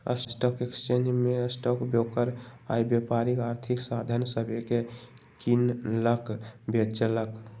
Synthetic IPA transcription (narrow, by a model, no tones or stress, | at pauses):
ə̰ssʈɔkekst͡ʃend͡ʒmeəsʈɔkbjokəɾa̰ibjepaɾikaɾt̪ʰiksad̪ʱənsəbʱeke | kinləkbet̪t͡ʃələk